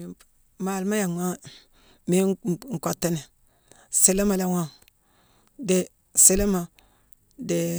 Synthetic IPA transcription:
ma˨lma˦ja˨ma˦ | me˨˦˨ŋ̩˨kʷa˨tːe˦ne˨ | se˨le˦ma˨la˦wa˦ | de˦ | se˦le˦ma˨ | de˨

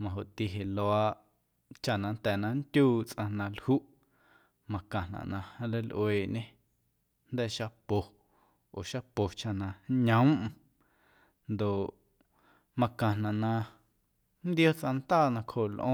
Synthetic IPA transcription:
mã˨ɦo˨ʔt̪i˧ɦe˨lo˧a˧ʔ | t͡ʃa˧˨nã˧nt̪ɛː˨nã˧nt̪ʲuː˦t͡sʔã˧nã˧lhu˦ʔ | mã˨kã˨nã̰˨nã˧hã˧le˧lʔweː˨ɲẽ˦ | nd̪ɛː˦ʃa˧po˨ | o˨ʃa˧po˨t͡ʃa˧˨nã˧ɲə̃˨˦m˦ʔ̩˨ | nd̪o˨ʔ | mã˧kã˨nã˨ʔnã˧ | nd̪jo˦t͡sʔã˧nt̪aː˦˨nã˧kho˨lʔõ˦˧

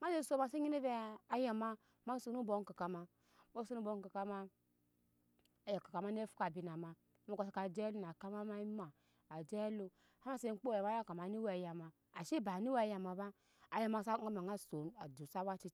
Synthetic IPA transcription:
ma˦e˦˨so˦ma˨se˦i˦ne˦ve˦a˨ja˨ma˦ | ma˦so˨nu˦bo˨˦ŋ˦ka˨ka˨ma˨ | mo˦so˦nu˦bo˨˦ŋ˦ka˨ka˦ma˦ | a˨ja˨ka˨ka˨ma˦n˦e˦fu̥˦ka˨bi˨na˨ma˨˦ | a˦ko˨se˦ka˨d͡ʒɛ˦lu˦n˨a˨ka˦ma˦ma˦i˦ma˨ | a˨d͡ʒɛ˦lu˨ | ha˦ma˦se˦k͡po˦˨ja˨ma˨˦ja˦˨ka˨ma˨ni˦we˨ja˨ma˨ | a˨ʃe˦ba˨ni˦we˦˨ja˨ma˨ba˦ | a˨ja˨ma˨sa˦a˦ma˨ŋa˦˨so˨n˦a˨du˨sa˦wa˦t͡ʃi˦

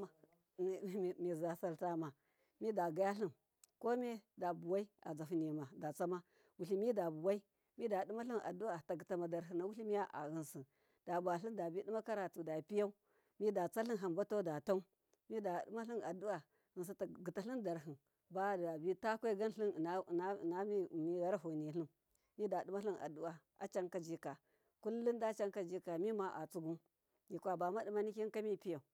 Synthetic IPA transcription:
mi˨za˨sa˨lta˦ma˨ | mi˦da˨ɡa˦ja˦ɬi˦n | ko˦mi˦da˨bu˨wa˦i˦a̰˨d͡za˨fu˨ni˨ma˨da˨t͡sa˦ma˦ | wu˨ɬi˦mi˦da˨bu˨wa˦i˦ | mi˦da˨du˦ma˦ɬi˦nʔa̰˨du˦wa˨ta˨ɡi˨ta˨ma˨da˨ɾɦi˨na˨wu˦ɬi˦mi˦ja˦ʔa̰˨ɣi˨nsi˨n | d̥a˨bu˨a˨ɬi˦nda˨bi˦di˦ma˦ka˦ɾa˨tu˨da˨pi˦ja˦u˦ | mi˦da˨t͡sa˦ɬi˦nɦa˨mba˦to˦da˨ta˦u˦ | mi˦da˨dma˦ɬi˦na˨du˦wa˨ | ɣɨ˨ns̬a˦ta˨ɡi˨ta˨ɬi˦nda˨ɾɦi˨n | ba˦da˨bi˦ta˦kʷe˦ɡa˦n˦ɬi˦n˨˦˨na˦˨na˦i˦˨mi˦ɣa˦ɾa˦ɦu˨ni˨ɬi˦n | mi˦da˨du˦ma˦ɬi˦na̰˨du˦wa˨ | a̰˨˦t͡ʃa˦ŋka˨d͡ʒi˦ka˨ | ku˦lːi˦nda˦t͡ʃa˦ŋka˨d͡ʒi˦ka˨mi˦ma˨ʔa˨t͡su˦ɡu˦n | ji˨kʷa˨ba˨ma˦di˨˦ma˦ni˦kʲi˦ka˦mi˦˨pi˦ja˨u˨

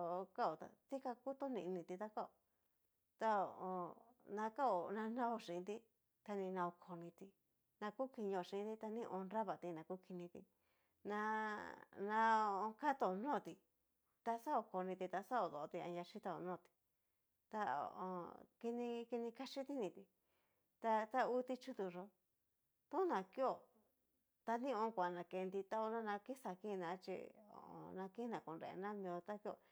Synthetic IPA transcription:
o˨˧ka˦o˨t̪a̰˧t̪i˦ka˧ku˦t̪o˦nĩ˧˨˧nĩ˧t̪i˧t̪a˦ka˦o˨ | t̪a˧o˨o˧nã˧ka˦o˨nã˧nã˦o˧ʂĩ˨ĩ˧t̪i˧ | t̪a˧nĩ˧nã˧o˧kʰo˧nĩ˧t̪i˧ | nã˧ku˦ki˧ɲ˧õ˧˨˧ĩ˧˨ĩ˧˦t̪i˧˦t̪a˧nĩ˦˧ʔõ˧ɾa˦βa˨t̪i˧nã˧ku˦ki˧nĩ˧t̪ḭ˧ | nã˧ | nã˧o˧o˧ka˦t̪o˧o˨˧nõː˦˨t̪i˧ | t̪a˧sa˦o˧ko˧nĩ˧t̪i˧t̪a˧sa˦o˨ðo˨˧t̪i˧ã̰˧ja˧t͡ʃi˦t̪a˧o̰˧nõː˦˨t̪i̥˧ | t̪a˧o̰˨ʔo̰˧ki˧nĩ˧ki˧nĩ˧ka˧t͡ʃi˦t̪i˦nĩ˧t̪i˧ | t̪a˧t̪a˦u˦t̪i˧t͡ʃu˦t̪u˧ʐo˧ | t̪ũ˦nã˨ki˦o˨ | t̪a˧nĩ˦õ˧˦˧kʷa˨nã˧ke˧nd̪i˧t̪a˧o˧nã˦˧nã˧ki˦sa˧˨kĩ˦˧nã˧t͡ʃḭ˧o̰˨õ̰˧nã˧ki˦nã˨ko˨nɾḛ˧ḛ˧nã˦mĩ˧õ˧t̪a˦ki˦o˧˨

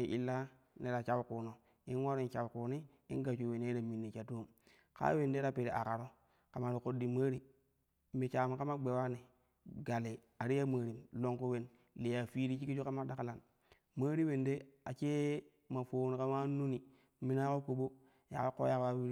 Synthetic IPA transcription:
ʔi˨lːa˦ | ne˨ɾa˨t͡ʃa˦wkuː˨no˨ | i˦nwa˦ɾi˦nt͡ʃa˨wku˨ni˦ | i˦nɡa˨t͡ʃu˨we˨ne˦ɾa˨mi˨nːi˨t͡ʃa˨tu˦m | ka̰˦we˨nde˦ɾa˦pe˨ɾe˨ʔa̰˨ka˨ɾo˦ | ka˨ma˨ɾi˨ko˦dːi˨ma˦ɾi˦ | me˨t͡ʃaː˨ma˨ka˦ma˦ɡ͡be˨wa˦ni˨ | ɡa˨le˨ | a˨ɾi˦a˦ma˨ɾi˨mlo˦ŋku˦we˨n | le˨ja˨fi˦ɾi˦t͡ʃi˦ki˦t͡ʃu˦ka˦ma˦da˨ka˦la˨n | ma˦ɾi˦we˨nde˦a˨t͡ʃe˦ | ma˨foː˨ni˨ka˦ma˦nu˦ni˨ | mi˦na˦ko˦ko˨ɓo˦ | ja̰˨ko˦ko̰˦ja˦kwa˦

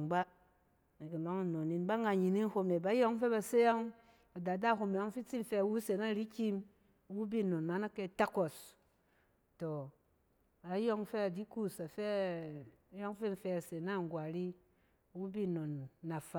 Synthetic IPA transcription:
ba˦ | e˨ki˨lo˨˦ŋi˦˨no˨ni˨nba˦ŋɡa˧ɲi˨ni˦n˦ho˧me˨ba˨˦jo˦ŋ˦fe˦ba˨se˦ja˦ŋ | a˨da˨da˦˨ɦo˧me˨jo˦ŋ˦fi˦t͡si˦n̩˦fe˧a˨wu˦se˨˦na˦˨ɾi˦kʲi˦m˨ | wu˦bi˦˨no˨nma˨˦na˦ke˦˨ta˦ko˨s | to˨ | a˨˦jo˦ŋ˦fe˦a˨di˦ku˦sa˨fe˦ | jo˦ŋ˦fe˦˧˨fe˧a˨se˨na˦˨ŋ˨ɡwa˨ɾi˦ | wu˦bi˦˨no˨nːa˨fa˨

